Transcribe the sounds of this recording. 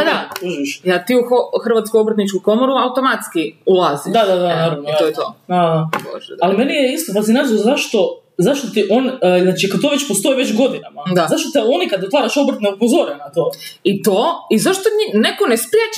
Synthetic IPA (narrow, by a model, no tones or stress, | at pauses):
ad̪auʒiʃjat̪iːuxoxr̩ʋat̪skuobɾ̩t̪nit͡ʃkukomoɾuaut̪omat̪skiulˠaːzid̪ad̪ad̪anaɾaʋnojaoɛt̪od̪ad̪abo̰ʒalimenijeist̪ot̪asinazozaʃt̪o̞ | zaʃt̪ot̪iʔonznaːt͡ʃikat̪oʋet͡ʃpost̪o̞iʋet͡ɕɡo̞d̪inamad̪azaʃt̪ot̪eonikad̪ot̪ʋaːɾaʃobɾ̩t̪neupozoɾenat̪oːit̪oizaʃt̪oɲinekonespɾjet͡ʃ